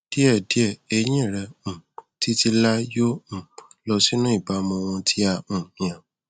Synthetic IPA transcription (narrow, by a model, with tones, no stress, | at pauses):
d̥i˦ɛ˦˨di˨˦ɛ˦˨e˧j̃ĩ˦˨ɾɛ˧ũ˨ti˦ti˧la˦jõ˦˨ | lɔ˧si˦nũ˦i˦˨ba˨˦mɔ̃˧w̃ɔ̃˧tʰi˦a˧ũ˨j̃ã˨